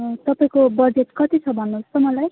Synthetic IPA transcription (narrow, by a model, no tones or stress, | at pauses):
t̪ʌpaĩkobʌd͡zetkʌt̪it͡sʰʌbʱʌnːust̪omʌlaj